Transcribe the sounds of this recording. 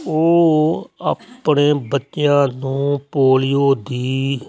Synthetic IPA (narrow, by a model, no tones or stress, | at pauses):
oː | əpɳeːbətːjãːnũːpoːlɪjoːd̪iː